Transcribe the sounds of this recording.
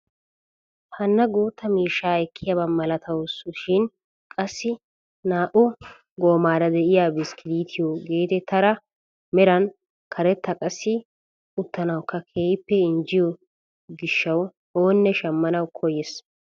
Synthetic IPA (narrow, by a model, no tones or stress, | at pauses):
hɐnːɐɡoːt̪ːɐmiːʃaːɛkʰːɪjɐbɐmɐlɐt̪ʰɐwsʊʃɪn | kʼɐsːɪ | naːʔʊ | ɡoːmaːɾɐd̪ɛʔɪjaːbɪskɪliːt̪ʰɪjoɡe̞ːt̪ɛt̪ɐɾɐ | mɛɾɐn | kʰɐɾɛt̪ːɐkʼɐsːɪ | ʊt̪ːɐnɐwkʰːɐkʰeːjpːɛɪnd͡ʒɪjɔ | ɡɪʃːɐw | o̞ːnːɛʃɐmːɐnɐwkʰɔjɛs